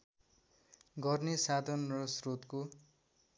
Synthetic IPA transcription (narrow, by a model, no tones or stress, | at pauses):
ɡʌrnesad̪ʱʌnrʌsrot̪ko